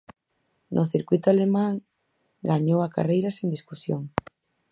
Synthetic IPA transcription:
nʔʊθiɾkwit̪oalemãŋ | ɡaɲowaka̰rejɾasend̪iskusjo̰ŋ

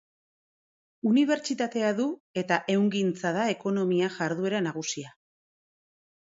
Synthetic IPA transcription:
uniβ̞e̞ɾt͡ʃit̪at̪e̞aðue̞t̪aʔe̞wŋɡint͡sað̞ae̞ko̞no̞miaʝaɾðue̞ɾanaɣ̞usia

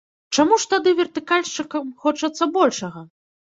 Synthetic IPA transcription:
t͡ʂamuʂt̪ad̪ɨvʲɛrt̪ɨkalʲʂt͡ʂɨkɐmxɔt͡ʂɐt̪sːɐbɔlʲʂɐɣɐ

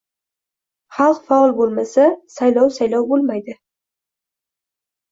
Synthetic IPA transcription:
χɑlˠqfɑlˠbolˠmasasajlɒwsajlɒwbolˠmajd̪ɪ

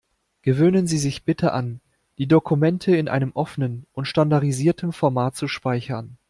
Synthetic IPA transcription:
ɡ̥əvøːnənziːzɪçb̥ɪtʰəʔa̰n | d̥iːdokʰumɛntʰəɪnʔa̰ɪnəmʔɔfənənʔʊntʃtandaɐdiziːɐtʰəmfɔɐmaːtt͡suʃpaɪçɐn

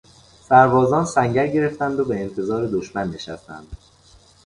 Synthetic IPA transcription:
sæɾvɒːzɒːnsæŋɟæɾɟe̞ɾe̞ft̪ænd̪obe̞ːnt̪ʰe̞zɒːɾe̞d̪oʃmænːe̞ʃæ̰st̪æ̰nd̪̥

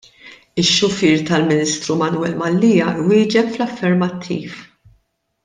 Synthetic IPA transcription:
ɪʃːʊfiːɾt̪ɐlmɪniːst̪ɾumɐnuwɛlmɐlːiːjɐwɪːd͡ʒɛpflɐfːɛɾmɐt̪ʰːḭːf

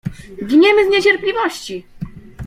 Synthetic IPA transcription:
ɡʲiɲɛmɘzɲet͡ɕɛɾplʲivɔɕt͡ɕi

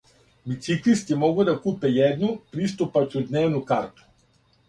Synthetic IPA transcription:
bit̪siklist̪ʲimɔɡəd̪ɐkupɛjɛd̪nopɾist̪opɐt͡ʃod̪nɛvnokaɾt̪o̥

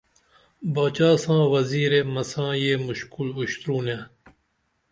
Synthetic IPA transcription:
baːt͡ʃaːsãːʋɐziːɾeːmɐsãːjeːmʊʃkulʊɕt̪ɾuːnẽː

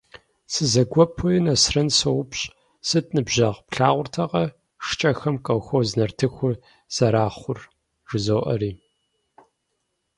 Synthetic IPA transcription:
sɨzɐɡʷɔpʰʊjnɐsrɐnsɐwʊpɕʼ | sɨtʰʼnɨbʑɐʁpɬaːʁʷʊrtʰɐʁɐ | ʂt͡ʃʼɐxɐmkʼɐwxʷowznɐrtʰɨxʷʊ | z̥ɐɾaːχʷʊr | ʒɪzoːʔɐ̰ɾiː

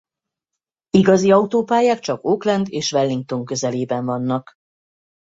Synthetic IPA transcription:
iɡɒziɒut̪oːpaːjaːkt͡ʃɒkoːklɛnd̪eːʃʋɛlːiŋk̚t̪o̞ŋkø̞zɛleːbɛɱvɒnːɒk

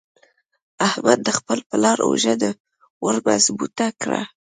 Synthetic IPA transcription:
ahmad̪̚ːəxpəlpəlɑɾo̰ʒad̪ə | wəɾbasbut̪akɽa̰

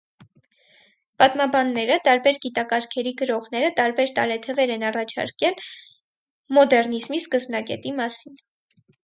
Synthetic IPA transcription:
pɑt̪mɑbɑnːɛɾət̪ɑɾbɛɾɡit̪ɑkɑɾkʰɛɾiɡəɾɔʁn̪ɛɾət̪ɑɾbɛɾt̪ɑ̰ɾɛt̪ʰəvɛɾɛnɑrɑt͡ʃʰɑ̰ɾkɛl | mɔd̪ɛrnizmiskəzbnɑɡɛ̰t̪imɑsin

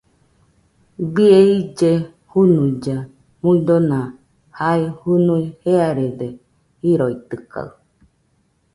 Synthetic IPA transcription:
bieid͡ʒe | hunuid͡ʒa | muid̪onã | haihunuiheaɾede | hiɾoit̪ɯka̰ɯ

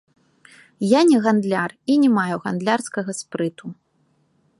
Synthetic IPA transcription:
janʲɛɣand̪lʲarinʲɛmajuɣand̪lʲarskɐɣɐspɾɨt̪u

